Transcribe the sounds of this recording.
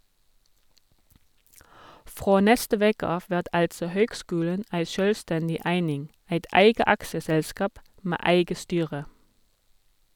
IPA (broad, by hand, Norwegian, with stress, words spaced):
ˈfʁoː ˈnɛstə ˈʋeːkə ˈɑːf ˈʋæʁt ˈɑltsɔ ˈhøːɡˌskʉːlən ˈæɪ ˈʃøːlˌstɛndɪ ˈæɪnɪŋ ˈæɪt ˈæɪɡə ˈɑksəˌsɛlˌskɑːp ˈmæː ˈæɪɡə ˈstyːʁə